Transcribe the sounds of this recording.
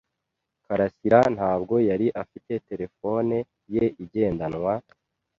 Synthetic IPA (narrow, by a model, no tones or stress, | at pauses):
kaɾasiɾan̥haːbɡo̞jaɾiʔafite̞te̞ɾe̞fo̞ne | je̞ʔiɟe̞ːndanŋwa